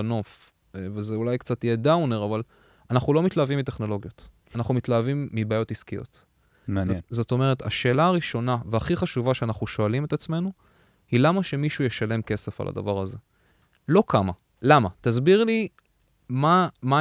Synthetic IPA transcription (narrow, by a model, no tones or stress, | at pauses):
no̞f | vezeulajkt͡satjedawne̞ʁaval | anaχnulo̞mit̪laːvimite̞χno̞lo̞ɡjo̞t | anaχnumit̪laːvimːibaːjo̞tiskijo̞̰t̪ | mzzot̪o̞meʁet̪a̰ʃe̞ːlaːʁiʃo̞naveaχiχaʃuvaʃeanaχnuʃo̞alime̞t̪at͡sme̞nu | hilamaʃe̞miʃujeʃale̞mke̞se̞fa̰lʔa̰d̪a̰vaʁaze̞ | lo̞kʰama | lamat̪azbiʁli | mama